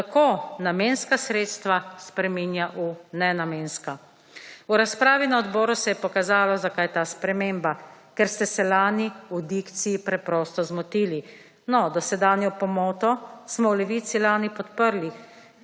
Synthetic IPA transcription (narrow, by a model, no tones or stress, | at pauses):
t̪akoːnamenskasɾeːt̪st̪ʋaspɾɛminjaʔunɛnameːnska | uɾaspɾaːʋinaɔd̪bɔːɾusɛjɛpɔkazaːlɔzakaːjt̪aːspɾɛmeːmbakɛɾst̪ɛsɛlaːniud̪ikt̪sijipɾɛpɾɔst̪ɔzmɔt̪iːli | nɔd̪ɔsɛd̪aːnjɔpɔmɔːt̪ɔsmɔwlɛʋit̪silaːnipɔt̪pəɾli